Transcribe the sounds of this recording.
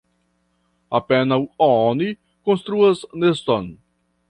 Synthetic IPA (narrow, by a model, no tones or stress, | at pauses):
apɛnɐwɔɔ̃ni | kõst̪ɾuɐznest̪õn